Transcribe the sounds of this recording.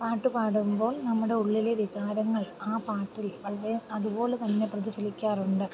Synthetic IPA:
paːʈːupaːɽumbo̞ːɭnɐmːuɽe̞uɭːileʋiɣaːɾɐŋːɐɭaːpaːʈːilʋɐɭɾeɐðubo̞ːɭet̪ɐnːe̞prɐðifɐlikʲːaːruɳɖɨ

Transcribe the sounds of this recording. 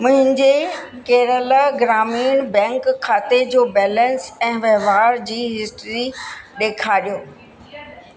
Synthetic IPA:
mʊ̃ɦɪ̃ɲd͡ʑe | keːɾəlaɡɾaːmiːnbɛ̃ːŋkʰːaːt̪ed͡ʑoːbɛːlə̃nsɛ̃ːʋɛɦʋaːɾd͡ʑiːɦɪst̪ɾiɗeːkʰaːɗijoː

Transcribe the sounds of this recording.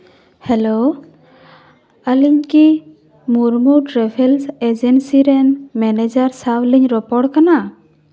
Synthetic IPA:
hɛlo | əliɲki | muɾmuʈɾɛbʰʱelsed͡ʒensiɾɛnmɛned͡ʒaɾsawliɲɾɔpɔɽkana

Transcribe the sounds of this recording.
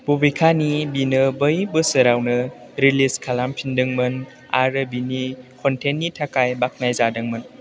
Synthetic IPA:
bubijkʰanibinɯbəjbɯsɯɾawnɯ | ɾiliskʰalampʰindɯŋmɯn | a̰ɾɯbinikʰɔntʰenːitʰakajbak̚najzadɯŋmɯn

